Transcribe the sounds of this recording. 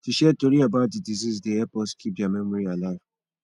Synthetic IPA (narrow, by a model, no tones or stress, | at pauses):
tiʃɛtoɾiabadidizisdeɛpɔskʰidamemuɾialaa